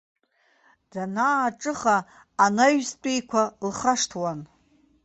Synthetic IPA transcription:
d̥anaːʈ͡ʂʼɨχaː | naɥzt͡pʷʼejkʷʰalχaʂtʰwan

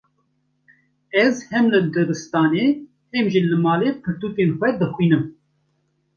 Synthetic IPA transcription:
ɛzhɛmlɨd̪ɨbɨst̪ɑːneː | ɛmʒilɨmɑːleːpʰɨɾt̪uːk̪enxʷɛd̪ɨxwiːnɨm

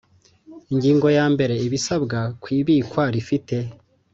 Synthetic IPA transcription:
iɲɟiːŋɡo̞jaːmbe̞ɾe̞iβisabɡakwiːβiːkwaɾifite̞

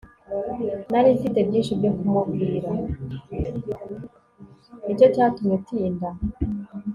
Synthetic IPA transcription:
naɾifite̞bjiːnʃibɟokumumɡiːɾa | ico̞caːtumɲetiːnda

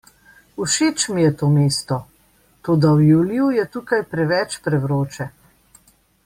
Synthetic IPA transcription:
uʃeːt͡ʃmijɛt̪oːmeːst̪ɔ | t̪oːd̪awjuːljujɛt̪uːkajpɾɛʋɛt͡ʃpɾɛʋɾoːt͡ʃɛ

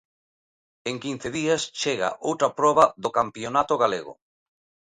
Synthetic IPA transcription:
eŋkin̟θeðiast͡ʃeɣa̰ʔowt̪ɾapɾɔβaðokampjonat̪oɣalḛɣʊ̰

